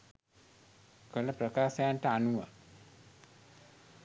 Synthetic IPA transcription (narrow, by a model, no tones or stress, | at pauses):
kəlapɾakaːsajantaanuwa